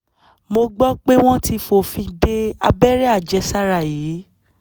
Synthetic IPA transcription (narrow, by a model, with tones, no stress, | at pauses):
mo˧ɡ͡bɔ˦k͡pe˦w̃ɔ̃˦ti˧fo˦˨fĩ˧de˦a̰˧bɛ˦ɾɛ˦a˦˨d͡ʒɛ˧˦sa˦ɾa˦˨jiː˨˦